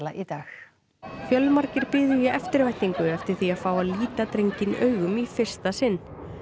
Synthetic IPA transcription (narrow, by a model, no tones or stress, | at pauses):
la̰ʔit̪aːx | fjœlmaɾcɪɾpɪːðʏjɛɛft̪ɪɾvajht̪iŋkʏɛft̪ɪɾ̥θiaðfaːwaðliːt̪at̪ɾejɲcɪnœːɥɣʏmifɪr̥st̪asɪnː